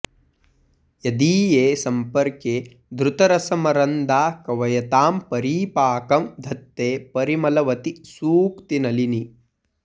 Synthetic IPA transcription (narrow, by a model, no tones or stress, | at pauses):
jɐd̪iːjeːsɐmpɐɾkeː | d̪ɾut̪ɐɾɐsɐmɐɾɐnd̪aːkɐʋɐjɐt̪aːmpɐɾiːpaːkɐmd̪ʱɐt̪ːeːpɐɾimɐlɐʋɐt̪isuːkt̪inɐlini